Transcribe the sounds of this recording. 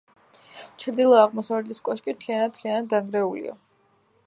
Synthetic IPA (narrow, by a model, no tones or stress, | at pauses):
t͡ʃʰɾd̪ilˠɔaʁmɔsavlɛt̪iskʼɔʃkʼit̪ʰlianat̪t̪ʰlianad̪̚d̪aŋɡɾɛulḭa̰